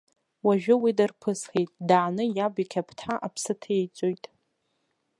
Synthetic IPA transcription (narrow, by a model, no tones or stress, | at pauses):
waʒᶣʊwidarpʰɨsχejtʼdaʕːnɨjabikʲʰapʰtʰħaʔapʰsɨtʰejt͡sʷʼojtʼ